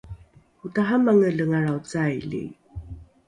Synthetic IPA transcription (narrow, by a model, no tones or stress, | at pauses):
hutaɦamaŋəɮəŋaɾawt͡sajlḭ